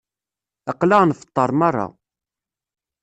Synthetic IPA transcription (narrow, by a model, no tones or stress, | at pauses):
ɑqːlanfə̥t̪ˤːɑɾˤmɑrˤːɑ̰